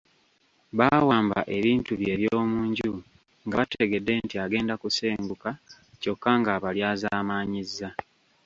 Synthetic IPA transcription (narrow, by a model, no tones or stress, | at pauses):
βawaːmba̰ʔe̞βiːntuβje̞ːβjoːmuːɲɟu | ŋɡaβateɡe̞dːe̞ntiaɡe̞ːndakuseːŋɡuka | co̞kːaŋɡaβaljaːzaːmaːɲizːa